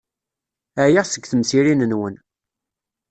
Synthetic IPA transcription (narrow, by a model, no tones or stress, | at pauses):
æjaʁsəɡθəmsiɾinənwən